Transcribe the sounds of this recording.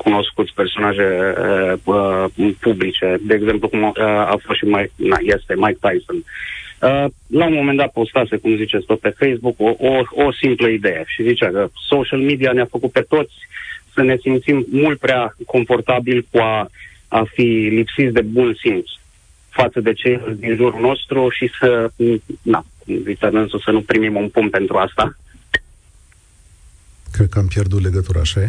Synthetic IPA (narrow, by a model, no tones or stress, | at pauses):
kuno̞skut̪sʲpe̞rso̞naʒe | əpublit͡ʃe̞d̪e̞ːɡze̞mplukuməa̰fost̪ʃimajkna̰je̞st̪e̞majkt̪ajsonə | laumo̞mend̪at̪̚po̞st̪ase̞kumzit͡ʃe̞tsʲt̪o̞t̪̚pe̞fe̞jsbukoʔoosimpləid̪e̞je̞ʃizit͡ʃakəsoʃalmid̪ianeafəkut̪̚pe̞t̪o̞t̪sʲsəne̞simt̪simːult̪̚pɾeako̞ɱfo̞rt̪abilkua | afilipsit̪sʲd̪e̞bunsins | fat̪səd̪e̞t͡ʃe̞jeld̪inʒuɾuno̞st̪ɾuʃisə | na̰ | it̪eɨnsəsənupɾimimunpun̚pe̞nt̪ɾuast̪a | kɾed̪̚kəampjerd̪ut̪le̞ɡət̪uɾa̰ːʃa